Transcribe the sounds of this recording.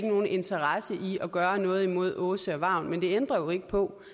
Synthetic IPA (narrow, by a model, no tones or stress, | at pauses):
ɡ̥no̝ːn̩e̝nt͡sʰɐʁɑsəʔiɒ̽ɡ̥ɶːɐnɔ̽ːð̩ˠimo̝ð̞̰ˠɔ̽ːsəɒ̽ʋɑ̈ʊ̰nmend̥e̝end̥ʁɐjo̝e̝ɡ̥əpʰɒ̽